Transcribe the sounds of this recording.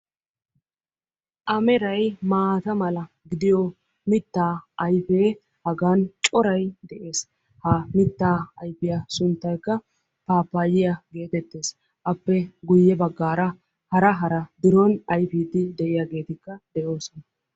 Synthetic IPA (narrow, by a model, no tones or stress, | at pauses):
ʔɐmɛɾɐjmaːt̪ɐmɐlɐ | ɡɪd̪ɪjɔ | mɪt̪ːaːʔɐjfe̞ː | hɐɡaːnt͡ʃʼɔɾɐjd̪ɛʔe̞ːs | hamɪt̪ːaːɐjfɪjasʊnt̪ːɐjkːɐ | paːpːaːjɪjɐɡe̞ːt̪ɛt̪ːe̞ːs | ʔɐpːɛɡʊjːɛbɐɡːaːɾɐ | hɐɾɐɦɐɾɐd̪ɪɾɔnɐjfiːd̪ɪd̪ɛʔɪjaːɡe̞ːt̪ɪkːɐd̪ɛjo̞ːsɔnɐ